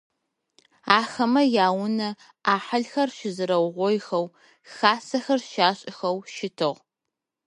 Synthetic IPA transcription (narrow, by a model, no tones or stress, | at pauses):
aːxɐmɐjaːwʊnɐ | aːħɐɮxɐrʃɪzɨɾɐwʁʷɔjxɐw | xaːsɐxɐrʃaːɕʼɪxɐwʃɪtʰɨʁ